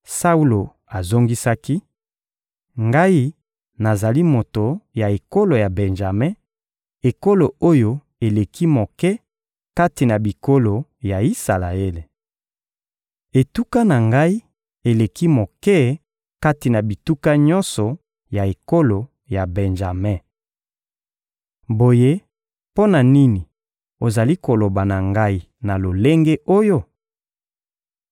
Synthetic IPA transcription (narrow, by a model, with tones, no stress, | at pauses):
sa˦u˦lo˨ | a˨zo˦ŋɡi˦sa˦ki˦ | ŋɡa˦i˦ | na˨za˨li˦mo˨to˨ja˨e˨ko˦lo˨ja˨be˨nʒa˨mɛ̃˦ | e˨ko˦lo˨o˦jo˦ | e˨le˨kʰi˦mo˨kɛ˦ | ka˦ti˨na˨bi˨ko˦lo˨ja˨i˦sa˨la˨e˦le˨ | e˨tu˦ka˦na˨ŋɡa˦i˦ | e˨le˨ki˦mo˨kɛ˦ | ka˦ti˨na˨bi˨tu˦ka˦ɲɔ˦nsɔ˨ | ja˨e˨ko˦lo˨ | ja˨bɛ˨nʒa˨mɛ̃˦˨ | bo˨je˦ | po˦na˨ni˦ni˨ | o˨za˨li˦ko˨lo˨ba˨na˨ŋɡa˦i˦ | na˨lo˨le˦ŋɡe˦ʔo˦jo˦